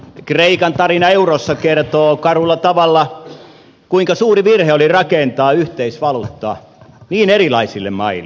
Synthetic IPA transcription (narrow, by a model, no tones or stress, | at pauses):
kreikɑnt̪ɑrinɑeurosːɑkert̪oːkɑrulːɑt̪ɑʋɑlːɑ | kuiŋkɑsuːriʋirheolirɑkent̪ɑːyht̪eisʋɑlut̪ːɑ̰ | niːnerilɑisilːemmɑilːˑ